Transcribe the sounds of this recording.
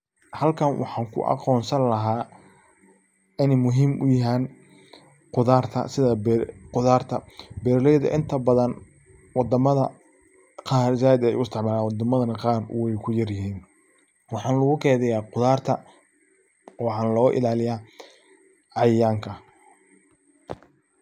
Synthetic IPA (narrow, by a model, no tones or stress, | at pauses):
hɐlkʰɐnwʔɑ̰ħɑːŋkʰʊ̰ʔɑ̰qɔːnsɐnlɐɦaː | ɪnɛmʊɦiːmʔʊ̰jɪɦaːn | qʊðaːrt̪ʰɐ̰sɪðɐbqʊðaːrt̪ʰɐbɛːɾlɛjðɐ̰ʔɪnt̪ʰɐbɐðɐn | wɑd̪ɐmɐðɐ | qɑːɾzaːɪd̪ɛɛ̰jʊɪst̪ʰɪʕmaːlaːnwɑd̪ɐmɐðɐnɐqɑːrwɛjkʰʊjɐrjɪɦiːn | wɑħɑːnlʊɣʊkʰɛːðɛjaːqʊðaːrt̪ʰɐ̰ | ɔːħɑːnlɔːʔɪ̰laːlɪjaː | ʕɑjaːŋkʰɐ